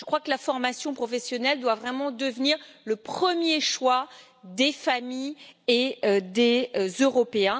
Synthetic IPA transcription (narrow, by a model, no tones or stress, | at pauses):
ʒəkχwakəlafɔʁmasjɔ̃pχɔfesjɔnɛld̪wavʁɛmɑ̃d̪əvniʁləpχəmjeʃwa | d̪efamijeød̪ezøʁɔpeɛ̃